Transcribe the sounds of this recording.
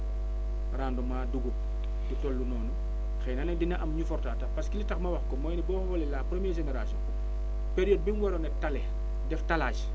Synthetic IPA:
raːndɔmaːduɡup̚ | dutɔlːunɔːnu | xɛnɐnɐdinɐʔɐmɲufɔrtaːtɐpɐskilitɐxmɐwɐxkɔmɔːjnibɔːxɔbɔlilaːpɾomjɛɾʒeneɾasiɔn | peɾiɔːd̚binwɔɾɔnɛtɐlɛ | dɛftɐlaːt͡ʃ

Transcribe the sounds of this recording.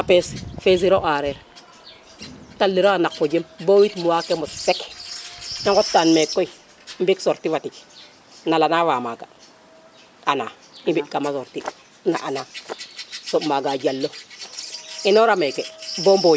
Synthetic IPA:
apesfes̬iɾoʔaɾeɾ | talːiɾoanakfod͡ʒembowitmuwakemotsek | naŋkotːanmekːoi | mbiksoɾtiwatik | nalanawaːmaɡa̰ | anaː | imbiɗkamasoɾti | na̰ʔana | sobmaɡad͡ʒalːo | inoɾamekebombo

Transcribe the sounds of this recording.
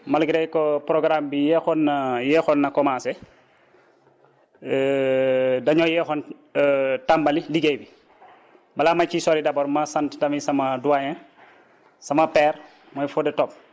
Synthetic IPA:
malɡiɾɛjkɔpɾoɡɾambijɛxɔnːajɛxɔnːɐkɔmasɛ | dɐɲɔjɛxɔn | tambɐliliɡejbi | bɐlaːmacisɔɾidɐbɔɾmasantdɐmisɐmɐduajɛn | sɐmɐpɛːɾ | mɔjfɔdɛtɔp̚

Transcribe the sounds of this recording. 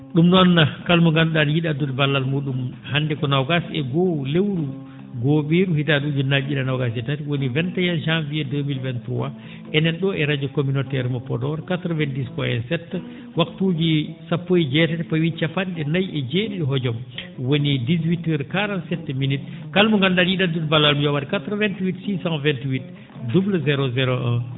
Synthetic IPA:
ɗumnɔnːakalmɔŋɡanɗanjiɗadudbalːalmuɗumhandɛkɔnawɡasɛɡɔlewɾu | ɡoɓiːɾuhitaɗud͡ʒunad͡ʒiɗanawɡas̬ɛtatiwonivɛntajanʃamviɛdəmilvɛnt̪uwa | ʔɛnɛnɗɔɛɾad͡ʒɔkominotɛɾmɔpɔdɔɾkatɾɔvɛndiskɔɛ̰nsɛtː | waktuːd͡ʒisapːojid͡ʒɛtatɛpɔwit͡ʃapanɗɛnajʔɛd͡ʒeɗiɗɛɦɔd͡ʒɔmwonidis̬witəɾkaɾantsɛtːɛminitkalmuŋɡandaljiɗadudbalalmujɔwaɾɛkatɾɔvɛntwitsisãŋvɛntwit | dubləzɛɾɔzɛɾɔʔɛ̰n

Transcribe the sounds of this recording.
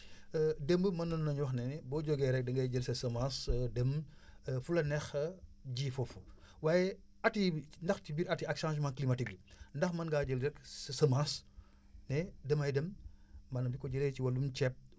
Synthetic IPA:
dembəmɐnːɐnnɐɲwɔxnɛnɛbɔːɟɔɡɛːɾɛk̚dɐŋɡɐjɟəlsɐsɐmasdemfulɐnɛxɟiːfɔfu | waːjɛ | ɐtindɐxtibiɾɐtiɐkʃãnʒmãːnklimɐtik̚ːundɐxmɐnɡaːɟəlɾɛkssɐmas | nɛdɐmɐjdɐmːɐnɐmdikɔɟəleciwɐlːumt͡ʃɛp̚

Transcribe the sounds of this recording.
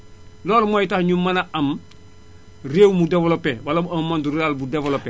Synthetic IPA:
loːlmojtahɲumːanaʔam | reːwmudevolopewalabuɐmmːanduɾiaːlbudevolope

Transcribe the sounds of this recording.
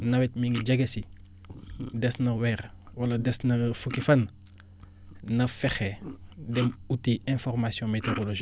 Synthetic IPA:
nɐwɛt̚miŋɡiɟɐɡɐsi | dɛsnɐwɛːɾ | wɐlɐdɛsnɐfukifɐn | nɐfɛxɛdɛmutːiʔɛ̃fɔrmasjɔ̃metoɾoloʒi

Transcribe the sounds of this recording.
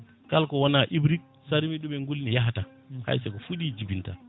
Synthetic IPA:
kalkɔwanaʔibɾik̚ | saɾimiɗuɓɛŋɡulnijaɦata | ha̰jsɛkɔfuɗiːd͡ʒibinta̰

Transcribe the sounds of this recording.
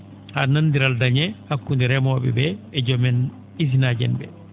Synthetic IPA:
hananːdiɾaldaɲɛhakːundiɾɛmɔɓɛ̰bɛɛd͡ʒɔmɛn | iz̬inaːd͡ʒɛ̰nbɛ̰

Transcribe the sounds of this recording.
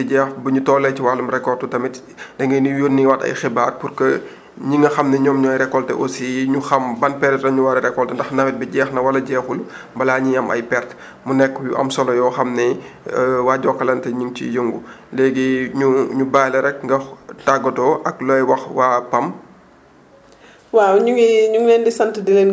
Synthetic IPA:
tɛɟɛːxbɐɲutɔːlɛciwalumɾɛkːɔrtutɐmit | d̥ɛŋɡɐnijoːnːiwɐtɐ̰jxibaːrpurkɐ | ɲiŋɐxɐmnɛɲɔːmɲuɐjɾɛkːɔltɛ̰ʔosijɲuxɐmbɐnpɛɾɛtɾɐɲuwɐɾɛɾɛkːɔltɛndɐxnɐwɛt̚bɛɟɛːxnɐwɐlɐɟɛːxul | bɐlaːɲijɐmɐ̰jpɛrt | munɛkːjṵɐ̰msɔlɔjɔːxɐmnɛ | waːɟɔːkːɐlɐntɛɲiŋt͡ʃḭjəŋɡulɛːɡiɲuɲubaːlɐɾɛk̚ŋɡɐtaɡːɐtɔʔɐklɔjwɐxwaːpɐm | wawɲuŋiɲuŋlɛndisɐntədilen

